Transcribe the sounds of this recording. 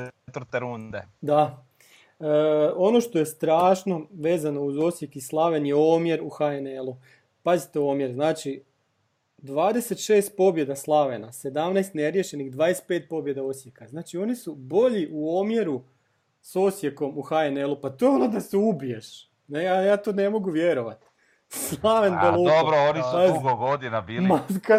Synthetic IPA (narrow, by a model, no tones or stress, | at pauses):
t̪ɾt̪eɾund̪ed̪a | əo̞no̞ʃt̪o̞je̞st̪ɾaːʃno̞ʋe̞ːzano̞uzo̞sje̞kislˠaʋe̞njeo̞ːmje̞ɾuxaenelˠu | pazit̪eo̞ːmjeɾznaːt͡ʃi | d̪ʋaːd̪ese̞t̪ʃeːst̪̚po̞bje̞d̪aslˠaʋe̞nase̞d̪amnajst̪neɾje̞ʃe̞nixd̪ʋaːd̪est̪pe̞ːt̪̚po̞bje̞d̪ao̞sjekaznaːt͡ʃio̞nisubo̞ʎiʔuomjeɾu | so̞sje̞ko̞muxaenelˠupat̪o̞jonod̪aseubijeʃ | nejajaːt̪o̞ːne̞mo̞ɡuʋje̞ɾo̞ʋat̪ | slˠaʋenbellˠuobɾoonisaɡoɡod̪inabiːlmaka